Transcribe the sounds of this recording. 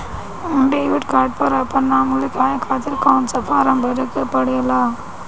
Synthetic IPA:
ʊɳɖeɪʋɐʈkaːɾʈ̚pɐɾɐpːɐnaːmulikaːjɐkʰaːt̪ɪlkaːnsɐfaːɾɐmbʱɐɾɐkːɐpːɐɽɯjɐlaː

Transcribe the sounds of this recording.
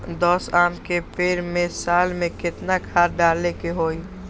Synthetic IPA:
d̪ɔːsaːmkepeːɾmẽsaːlmẽkɪt̪nakʰaːɾɖaːlekeɦoːi

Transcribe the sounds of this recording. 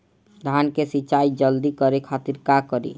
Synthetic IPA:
d̪ʱankesit͡ʃajd͡ʒɔld̪ikɔɾekʰat̪iɾkakɔɾḭ

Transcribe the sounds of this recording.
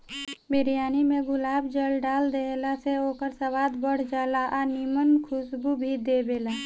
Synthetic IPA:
bɪɾijaːnimẽɡʊlaːbd͡ʒəlɖaːld̪eːlaseoːkəɾsɐʋaːd̪bəɽ̤d͡ʒaːlaʔanimənkʰʊsbubʱid̪eːbeːlaː

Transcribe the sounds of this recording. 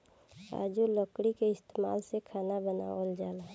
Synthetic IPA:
a̰ːd͡ʒulɔkɽikeɪst̪eːma̰ːlsekʰaːnabəna̰ːold͡ʒaːlaː

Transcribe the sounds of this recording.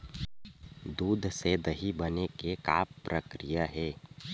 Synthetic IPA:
d̪uːd̪ʱsed̪əɦibənekeka̰ːppɾəkɾijaɦɛː

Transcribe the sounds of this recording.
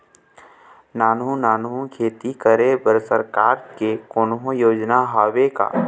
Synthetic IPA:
naːnɦũnaːnɦũkʰeːt̪ikəɾebəɾsəɾkaːɾkekoːnɦõjoːd͡ʒnaɦaːweka̰ː

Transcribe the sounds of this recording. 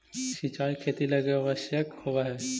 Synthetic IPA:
sit͡ʃaːikʰeːt̪iləɡeaʋəsjəkhowaɦɛ

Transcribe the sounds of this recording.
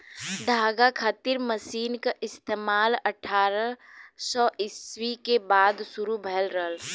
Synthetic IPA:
ɖ̪ʱaːɡakʰaːt̪iɾməsiːnkaʔɪst̪eːmaːləʈʰaːɾəsɔʔɪswikebaːd̪sʊɾubʱɛːlɾəɦəl

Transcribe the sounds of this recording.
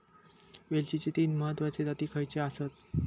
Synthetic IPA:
ʋelt͡ɕit͡ɕit̪iːnməɦət̪ʋat͡sed̪at̪iːkʰəjt͡ɕeasət̪

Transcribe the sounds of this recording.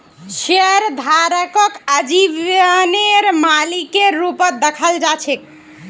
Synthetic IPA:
ʃeɾd̪ʱaɾəkəkəd͡ʒiʋjəəneɾmalikːeɾupət̪̚d̪ekʰəld͡ʒat͡ʃʰek

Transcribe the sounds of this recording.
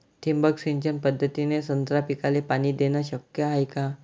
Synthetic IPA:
t̪ʰimbəksiɲt͡ɕənpəd̪ʱːət̪inesənt̪ɾapikalepaɽ̃iːd̪enaɕəkjəɦajka

